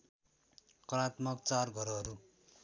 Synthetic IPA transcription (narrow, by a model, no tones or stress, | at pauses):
kʌɾat̪mʌkt͡sarɡʱʌɾʌɦʌɾu